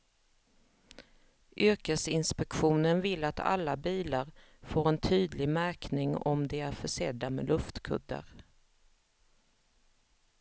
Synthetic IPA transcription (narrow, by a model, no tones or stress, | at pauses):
ʔʏɾkəsɪnspɛkɧuːnənvɪlːat̪ʰa̰lːabiːlaɾ | foːɾɛnt̪ʰyːd̪lɪɡmæɾknɪŋɔ̰md̪ɛæɾfœʂɛd̪ːamɛ̰lʔɵft̪kʰɵ̰d̪ːə̰ɾ